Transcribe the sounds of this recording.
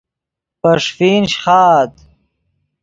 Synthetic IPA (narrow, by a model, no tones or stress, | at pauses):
pɐʂfiːnɕχɑːt̪